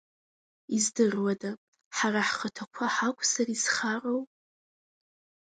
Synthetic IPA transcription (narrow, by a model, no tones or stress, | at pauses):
izdɨrwada | ħaraħχətʰakʷʰaħakʷʰʼsarizχarow